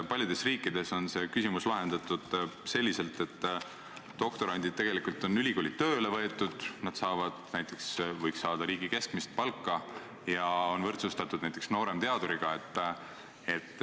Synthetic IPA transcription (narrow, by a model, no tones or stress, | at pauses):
pɑlʲjud̪esriːkːid̪e̞so̞nse̞kysʲimuslɑɦe̞nd̪̥ɑt̪ːˑud̪̥se̞lʲːise̞lt̪e̞t̪ː | d̪̥o̞k̚t̪o̞ɾɑnʲd̪id̪̚t̪ːeɡe̞likult̪ˑo̞nylʲiko̞ːlit̪ːøːle̞vɤ̞e̞t̪ːˑud̪̥nɑd̪̥sɑːvɑd̪̥næjt̪ːˑe̞ksvɤjksɑːd̪̥ɑɾiːɡike̞skmist̪̚pɑlkːɑ | jɑo̞nvɤrt̪sust̪ɑt̪ːˑud̪næjt̪ːˑe̞ksno̞ːɾe̞mt̪e̞ɑd̪oɾiɡ̥ɑe̞t̪ˑː | e̞t̪ˑː